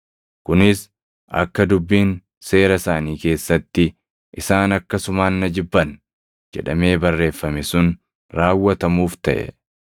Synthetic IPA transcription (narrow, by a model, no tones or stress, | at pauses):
kʊnɪs | ʔɐ̰kːɐd̪ʊbːiːn | se̞ːɾɐsaːniːke̞ːsːɐt̪ːɪ | ʔɪsaːnɐkːɐsʊmaːnːɐd͡ʒɪbːɐn | d͡ʒɛ̰ᶑɐme̞ːbɐrːe̞ːfːɐmɛsʊn | ɾaːwːɐt̪ɐmuːft̪ɐʔɛ̰